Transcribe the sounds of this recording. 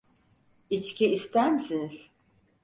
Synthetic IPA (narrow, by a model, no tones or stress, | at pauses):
it͡ʃciist̪æɾmisiniz̥